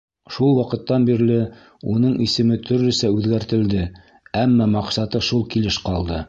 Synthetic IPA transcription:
ʃulˠwɑqɤ̆t̪ːɑnbiɾlɘ | un̪ɤɴʔisɘ̆mɘt̪ʰɵ̆ɾlɵ̆sæʉðɡæɾt̪ɘ̆ld̪ɘ | æmːɑmɑqsɑt̪ɤʃulˠkilɘʃqɑlˠd̪ɤ

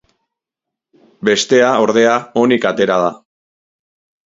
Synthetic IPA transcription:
be̞st̪e̞ao̞ɾð̞e̞ao̞nikat̪e̞ɾað̞a

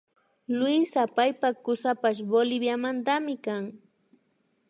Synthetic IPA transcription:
lʊijsapajpakʊsapaʃ̬bolɪbjamant̪amɪkaŋ

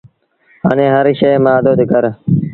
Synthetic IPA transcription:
ɦa̰ːnẽːɦəɾʃeːmaːd̪oːd̪ɪkəɾ

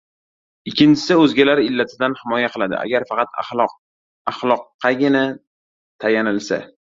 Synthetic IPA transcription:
ɪkʲːɪnt͡ʃʰɪ̥sɪɵzɡʲalaɾɪlːat̪ʰɪd̪anhɪmɒjaqʰɨlˠad̪ɪ̰ʔa̰ɡʲaɾfɑqɑt̪a̰χɒ | aχlˠɒqʰːɑɡʲɪna | t̪ʰajanɪlsa̰

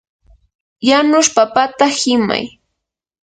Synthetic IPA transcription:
janʊʃpapat̪ahɪma̰j

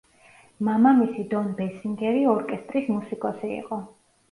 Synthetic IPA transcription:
mamamisid̪ɔnbɛsiŋɡɛɾiɔɾkʼɛst̪ʼɾismusikʼɔsiḭqʼɔ

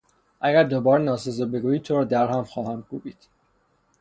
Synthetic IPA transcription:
ʔæɡæɾd̪obɒːɾenɒːsezobeɡuːjiːd̪̚t̪ʰoɾɒːd̪æɾɦæmxɒːhæmkuːbiːd̪̥

